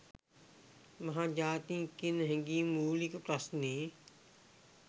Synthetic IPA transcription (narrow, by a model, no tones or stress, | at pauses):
mɐɦãːd͡ʒaːt̪ĩːkɪnɦɛ̃ŋɡiːmuːlɪkpɾɐsniː